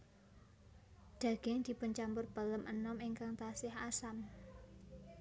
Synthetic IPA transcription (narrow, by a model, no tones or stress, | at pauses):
d̪̥a̤ɡ̥ɛŋd̪̥i̤pʊnt͡ʃampʊrb̥ələmʔənɔmɪŋkaŋt̪asɪhasam